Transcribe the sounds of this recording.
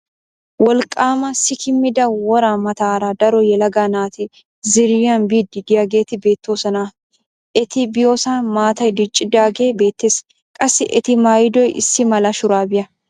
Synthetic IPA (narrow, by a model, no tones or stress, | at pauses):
wɔlkʼaːmɐsɪkʰɪmɪd̪ɐwɔɾaːmɐt̪aːɾad̪ɐɾojɛlɐɡaːnaːt̪ɪ | zɪɾjaːnbiːd̪ːɪɡɪjɐɡe̞ːt̪ɪbe̞ːt̪ːoːsɐnaː | ʔɪt̪ɪbɪjoːsɐnmaːt̪ɐd̪ɪt͡ʃʼːɪd̪aːɡeːbe̞ːt̪ːeːs | kʼɐsɪʔɪt̪ɪmaːjd̪ɔjʔɪ̰sːɪmɐlɐʃʊɾaːbɪʔɐ